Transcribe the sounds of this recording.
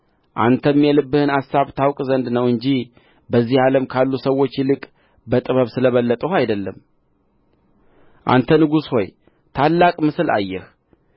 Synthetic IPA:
ʔa̰nt̪ʰəmːjɛlɨbːɨhɨnasaβt̪ʰawkʼzənd̪nəwɨɲd͡ʒi | bəzːihaləmkʰalːusəwːo̞t͡ʃːjlɨkʼ | bət̪ʼɨβəβsɨləβəlːət̪ʼəhajd̪əlːəm | ʔa̰nt̪ʰənɨɡusho̞j | t̪ʰalːakʼmɨsɨla̰jːɛh

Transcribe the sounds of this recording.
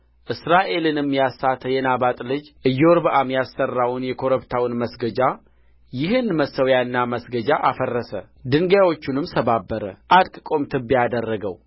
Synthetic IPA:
ʔɨsɾaʔe̞lɨnɨmːijasat̪ʰəjɛnabat̪ʼlɨd͡ʒʔɨjːɛwɔɾbəʔamjasːərːawʊnjɛkʰo̞ɾəβt̪ʰawnməsɡəd͡ʒa | jɪɦɨnməsəwjanːaməsɡəd͡ʒaʔafərːəsə | d̪ɨŋɡjawo̞t͡ʃːunɨmsʰəbabːəɾə̰ʔat̪kʼkʼo̞mt̪ʰɨbiad̪ərːəɡəw

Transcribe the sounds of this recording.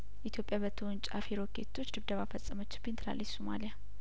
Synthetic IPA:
jɛʔit̪ʰjo̞pʼjaβət̪ʰəwʊnt͡ʃʼafiɾokʰḛt̪ʰːo̞t͡ʃːd̪ɨβd̪əβafəsʼːəmət͡ʃːɪbint̪ʰɨla̰lːət͡ʃsoma̰lija

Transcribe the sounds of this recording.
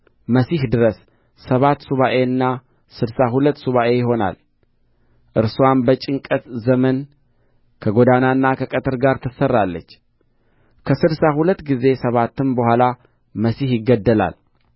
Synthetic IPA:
məsihd̪ɨɾəsː | əβat̪ːsuβaʔe̞ɨnːa | sɨdsaɦulət̪ːsuβaʔe̞jɪɦo̞na̰l | ʔɨɾsuwanbət͡ʃʼɨŋkʼət̪zəmən | kʰəɡo̞d̪anaɨnːakʰəkʼət̪ʰɨɾɡaɾt̪ʰɨsərːalːət͡ʃː | kʰəsɨdsahulət̪ːɡize̞səβat̪ːɨnbəhʷala | məsihjɪɡːəd̪ːəla̰l

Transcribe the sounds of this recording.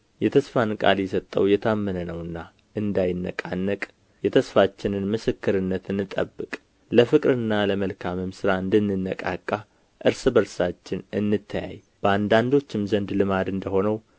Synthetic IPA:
jɛt̪ʰəsfankʼa̰ljɛsət̪ʼːə̰wjɛt̪ʰamːənənəwɨnːa | ʔɨnd̪ajɪnːə̰kʼanːəkʼ | jɛt̪ʰəsfat͡ʃːɪnɨnmɨsɨkːɨɾɨnːət̪ʰɨnːɨt̪ʼə̰bːɨkʼ | ləfɨkʼɾɨnːaləməlkʰamɨmsɨɾaɨnd̪ɨnːɨnːəkʼa̰kʼːa | ʔɨɾsɨbəɾsat͡ʃːɪnɨnːɨt̪ʰːəja̰j | b̥əand̪and̪o̞t͡ʃːɪmzənd̪lɨmad̪ɨnd̪əho̞nəw

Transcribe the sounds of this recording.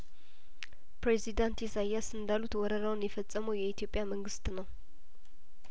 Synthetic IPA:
pɾezid̪ant̪isajːasɨnd̪alut̪wɔɾəɾawnjɛfət͡sʼːəməwjɛit̪ʰjo̞pʼjaməŋɡɨst̪nəw

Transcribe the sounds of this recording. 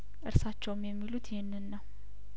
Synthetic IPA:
ʔɨɾsat͡ʃːɛwmjɛmːilut̪ʰjɪhnːɨnːəw

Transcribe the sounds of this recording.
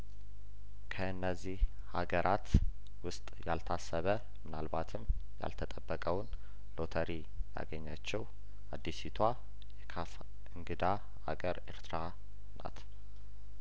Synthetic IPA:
kʰəɨnːəzːih | haɡəɾʔat̪ | wʊst̪ʼjalt̪ʰasːəβə | mɨnalbat̪ʰɨm | ja̰lt̪ʰət̪ʼəbːəkʼəwn | lo̞t̪ʰəɾi | ja̰ɡəɲːat͡ʃːɛw | ad̪ːisit̪ʰwa | jɛkʰaf | ʔɨŋɡɨd̪a | a̰ɡəɾḛɾt̪ɾa | na̰t̪

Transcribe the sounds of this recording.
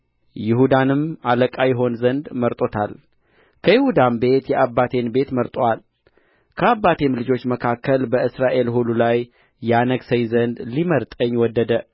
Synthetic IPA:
jɪhud̪anɨmaləkʼajɛɦo̞nzənd̪məɾt̪ʼo̞t̪ʰal | kʰəjɪhud̪ambe̞t̪jɛʔabːat̪ʰe̞nbe̞t̪məɾt̪ʼwal | kʰəabːat̪ʰe̞mlɨd͡ʒo̞t͡ʃːməkʰakːəlbəɨsɾaʔe̞lhululajː | ɛanəɡsəjzənd̪liməɾt̪ʼəɲːwɔd̪ːəd̪ə

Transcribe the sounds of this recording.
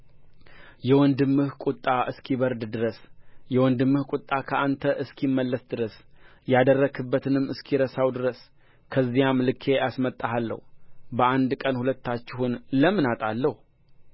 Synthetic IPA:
jɛwɔnd̪ɨmːɨhkʷʼut̪ʼːaʔɨskʰiβəɾd̪d̪ɨɾəsjɛwɔnd̪ɨmːɨhkʷʼut̪ʼːakʰəant̪ʰəʔɨskʰimːəlːəsd̪ɨɾəs | jad̪ərːəɡʰɨbːət̪ʰɨnɨmːɨskʰiɾəsawd̪ɨɾəs | kʰəzːijamlɨkʰːe̞ʔasmət̪ʼːaɦalːə̰hubəʔand̪kʼənhulət̪ːat͡ʃːɪhunləmɨnat̪ʼalːəhu

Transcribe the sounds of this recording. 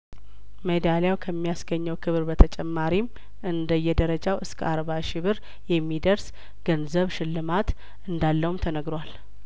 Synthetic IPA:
məd̪aljawkʰəmːijasɡəɲːəwkʰɨβɨɾbət̪ʰət͡ʃʼɛmːaɾim | ʔɨnd̪əjːɛd̪əɾəd͡ʒawʔɨskʰə̰aɾβaʃɪβɨɾ | jɛmːid̪əɾs | ɡ̥ənzəβʃɪlːɨmat̪ | ʔɨnd̪alːəhumt̪ʰənəɡɾwal

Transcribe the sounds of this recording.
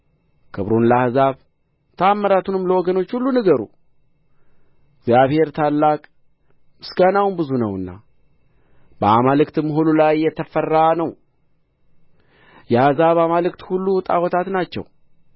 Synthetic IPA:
kʰɨβɾunlahɨzaβ | t̪ʰəaːmːəɾat̪ʰunɨmləwɔɡəno̞t͡ʃːhulːunəɡəɾṵ | ɪɡzjaβhe̞ɾt̪ʰalːakʼ | ɨsɡanawunbɨzunəwɨnːa̰ | b̥əamalɨkt̪ɨmɦolulajːɛt̪ʰəfərːanəw | jɛahzaβamalɨkt̪hulːut̪ʼawɔt̪ʰat̪nat͡ʃːɛ̰w

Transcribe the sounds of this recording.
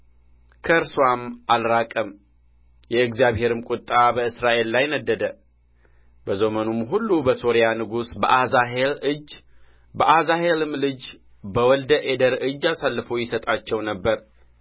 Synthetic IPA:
kʰəɨɾswamʔalɾakʼəm | jɛɨɡzijaβhe̞ɾɨmkʼʊt̪ʼːabəɨsɾaʔe̞lːajnəd̪ːəd̪ə | bəzo̞mənumɦulːubəso̞ɾijanɨɡusbəʔazaɦelɨd͡ʒ | bəʔazahelɨmlɨd͡ʒ | bəwɔld̪əʔed̪əɾɨd͡ʒːasalːɨfo̞jɪsət̪ʼat͡ʃːɛwnəbːəɾ

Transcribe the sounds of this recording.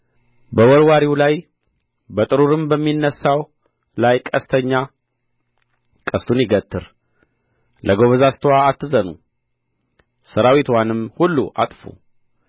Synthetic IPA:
bəwɔɾwaɾiwlaj | bət̪ʼɨɾuɾɨmbəmːinːəsaw | lajkʼəst̪ʰəɲːa | kʼəst̪ʰunjɪɡət̪ʰːɨɾ | lʔəɡo̞βəzast̪ʰwaːt̪ːɨzənṵ | səɾawit̪wanɨmhulːuʔa̰t̪ʼfṵ

